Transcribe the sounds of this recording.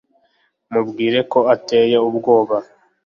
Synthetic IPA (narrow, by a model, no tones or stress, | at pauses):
mubɡiːɾe̞ko̞ate̞ːjeub̚ɡo̞ːβa